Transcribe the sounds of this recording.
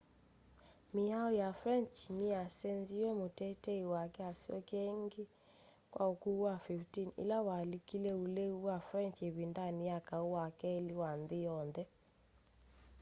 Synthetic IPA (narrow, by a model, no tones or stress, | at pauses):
mɪaɔjafɾɛnt͡ʃɲiasenziwɛmotɛtɛiwakɛasiɔ̰kɛŋɡe | kwʔa̰okuwafiftinḭlawalikilɛuleuwafɾɛnt͡ʃeβindanijakauwakɛeliwanðɪjɔnðɛ